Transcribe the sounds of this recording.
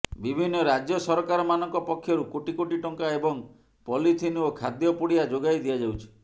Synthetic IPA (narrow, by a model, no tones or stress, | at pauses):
bibʱinːɔɾad͡ʒjɔsɔɾɔkaɾɔmanɔŋkɔpɔkʰːjɔɾukoʈikoʈiʈɔŋkaebɔŋ | pɔlit̪ʰiniokʰad̪jɔpuɽiad͡ʒoɡajd̪iad͡ʒawt͡ʃʰi̥